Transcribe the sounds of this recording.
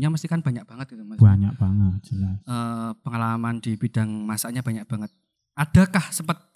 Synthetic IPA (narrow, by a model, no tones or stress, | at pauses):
ɲaməst̪ikanb̥aɲak̚b̥aŋət̪̚ɡit̪umbaɲaʔb̥aŋət̪̚d͡ʒənaəːpəŋalamand̥ibid̥aŋmasaʔɲab̥aɲak̚b̥aŋət̪̚ | ʔad̥a̤kahsəmpət̪̚